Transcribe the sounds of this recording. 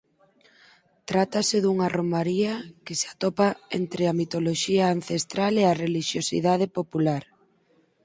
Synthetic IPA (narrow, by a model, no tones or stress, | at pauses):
t̪ɾat̪asɪðuŋaromaɾiɐkeseat̪ɔpaent̪ɾɪamit̪oloʃiaːnθest̪ɾaleareliʃjosḭðað̞epopulaɾ